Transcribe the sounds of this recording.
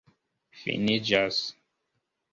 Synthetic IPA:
fḭnid͡ʒas

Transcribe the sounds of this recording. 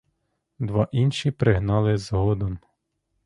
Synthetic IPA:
d̪ʋɑʔinʃipɾɪɦnɑlˠɪzɦɔd̪ɔn

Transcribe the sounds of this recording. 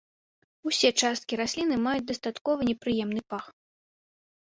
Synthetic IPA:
usʲɛt͡ʂast̪kʲiɾasʲlʲinɨmajut͡sʲd̪ɐst̪at̪kɔvɐnʲɛpɾɨjɛmnɨpax

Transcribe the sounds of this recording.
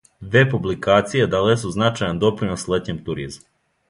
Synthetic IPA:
ʋepublikaːt̪sijed̪alesuznat͡ʃajand̪o̞pɾinoslet̪ɲemt̪uɾizm

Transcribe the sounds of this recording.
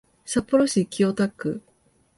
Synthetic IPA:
sapːoɾoɕikʲiot̪akːɯ̟

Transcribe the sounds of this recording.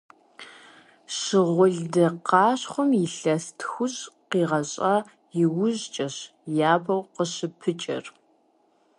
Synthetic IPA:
ɕɨʁʷʊɮdɐqɑːɕχʷʊmjɪɬɐstʰxʷʊɕʼqiːʁɐɕʼɐ | jɪwʊʑt͡ʃʼɐɕ | jaːbʰɐwqəɕɨpʰɨt͡ʃʼɐ̰r

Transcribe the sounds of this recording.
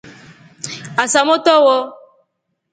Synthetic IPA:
asamot̪ɔwɔ

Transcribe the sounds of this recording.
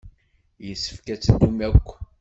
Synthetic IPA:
jəsːə̥fkæt͡sːd̪umækʷː

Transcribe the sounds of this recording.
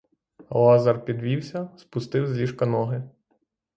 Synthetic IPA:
lˠɑzɑrpʲid̪ʋʲiwsʲɐspʊst̪ɪwzʲlʲiʃkɐnɔɦɪ

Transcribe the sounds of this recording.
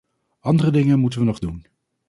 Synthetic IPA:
ɑndərədɪŋənmutənʋənɔχdun

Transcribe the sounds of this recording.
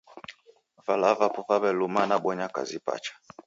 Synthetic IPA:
valavapɔfaβɛlumanaɓwɔɲaka̰zipa̰t͡ʃḁ

